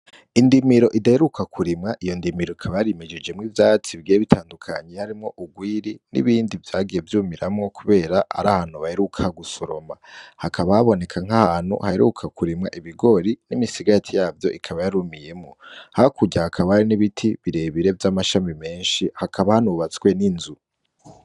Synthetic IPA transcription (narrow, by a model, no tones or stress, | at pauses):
indimiɾo̞ʔidaheɾukʰakʰuɾimŋaʔijo̞ndimiɾoikʰaβajaɾimed͡ʒed͡ʒe̞mŋivjaːt͡siβiɡijeβitʰaːndukʰa̰ɲe̞haɾimŋo̞ʔuɡwiːɾinḭβiːndivjaːɡije̞vjuːmiɾamŋo̞kuβe̞ːɾaʔa̰ɾa̰haːn̥huβaheɾukʰahaɡusoɾo̞̰mahakʰaβahaβo̞ne̞kʰaŋ̥ahaːn̥hṵhaeɾṵkʰakuɾimŋa̰ʔiβiɡo̞ɾinimisiɡatʰijaːvjo̞̰ʔikʰaβajaɾumije̞mŋohakuɟahakʰaβahaɾiniβitʰiβiɾe̞βiɾe̞vjamaʃamime̞ːnʃihakʰaβahanuβat͡swe̞ninzu